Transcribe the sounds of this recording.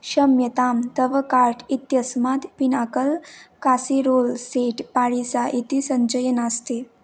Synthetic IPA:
ɕəmjət̪amt̪əʋəkaɾʈʰit̪jəsmat̪pinakəlkasiɾolseʈpaɭisaʔit̪isəɲd͡ʑəjənast̪e

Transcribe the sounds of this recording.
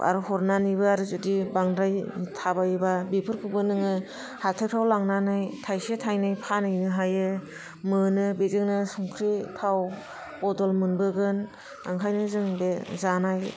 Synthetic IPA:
a̰ɾuhɔɾnanibɯaɾɯzudibaŋdɾajtʰabababipʰɯɾkʰɯbɯnɯŋɯ | hatʰajpʰawlaŋnanɯjtʰajsetʰajnɯjpʰanɯjnɯɦajɯ | mɯnɯbezɯŋnɯsɔŋkʰɾitʰaw | bɔdɔlmɯnbɯɡɯn | a̰ŋkʰajnɯzɯŋbezanaj

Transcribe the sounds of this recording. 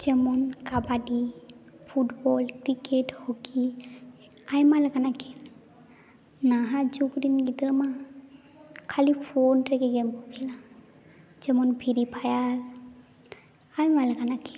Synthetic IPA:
d͡ʒɛmɔnkabaɖi | pʰuʈbɔlkɾikeʈhoki | ajmalɛkanakʰɛl | naɦad͡ʒukɾinɡit̪ɾma | kʰalipʰonʈɾɛkɛɡɛmpɔkʰɛla | d͡ʒɛmɔnpʰiɾipʰajaɾ | ajmalɛkanakʰɛl

